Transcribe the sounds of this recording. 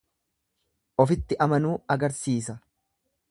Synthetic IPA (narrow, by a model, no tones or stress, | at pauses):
ʔɔfɪt̪ːɪʔɐmɐnuːɐɡɐɾsiːsɐ